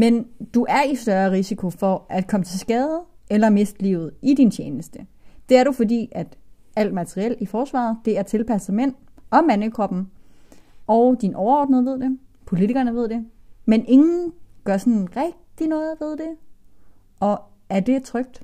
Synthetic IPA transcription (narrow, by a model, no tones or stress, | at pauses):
mend̥uʔæɐisd̥ɶɐʁisikʰo̝fɒ̽ʔæd̥kʰɒ̽mət͡sʰe̝lsɡ̥ɛːð̩ˠʔelɐme̝sd̥liːʊð̞̩ˠid̥int͡ɕʰeːnəsd̥əd̥e̝æɐɾufɒ̽dḭːʔæd̥ | æl̰d̥mæt͡sʰʁiel̰ifɒːsʋɑ̰̈ːð̩ˠd̥e̝æɐt͡sʰe̝lpʰæsð̩ˠmen̰ɒ̽mænəkʰʁɒ̽b̥n̩ | ɒʊd̥inʔɒʊɐɒ̰ːd̥nəð̩ˠʋe̝ð̞̰ˠd̥e̝pʰo̝lit͡sʰiɡ̥ɐnəʋe̝ð̞̰ˠd̥e̝menʔe̝ŋn̩ɡ̥ɶɐsɒ̽nʁɛɡ̥̚d̥inɔ̽ːɪð̩ˠʋe̝ð̞ˠd̥e̝ | ɒ̽ | æɐd̥e̝t͡sʰʁœɡ̥̚d̥